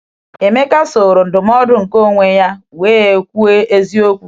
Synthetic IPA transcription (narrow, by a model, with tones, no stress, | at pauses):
e˨me˦ka˦so˨ɾo˨n̩˨dʊ˨m˦ɔ˦dʊ˨ŋ̩˨ko˦ŋʷe˨ja˦weː˦˨kʷu˦e˦e˦zi˦o˦kʷu˨